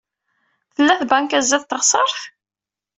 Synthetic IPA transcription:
θəlːæθbæŋkæzæθt̪ːəʁsˤəɾˤθ

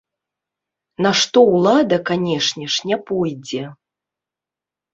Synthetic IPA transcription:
naʂt̪ɔwlˠad̪ɐkanʲɛʂnʲɛʂnʲɛpɔjd͡zʲɛ

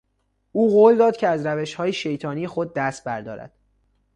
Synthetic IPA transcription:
ʔuːɣoːld̪ɒːd̪̥̚cʰeæzɾæveʃhɒːjeʃe̞jt̪ʰɒːnijexod̪̚ːæst̪̚bæɾd̪ɒ̰ːɾæ̰d̪̥

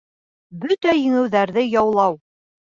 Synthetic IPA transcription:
bɵt̪æjɘ̆ŋɘ̆wðæɾðɘjɑwlˠɑw

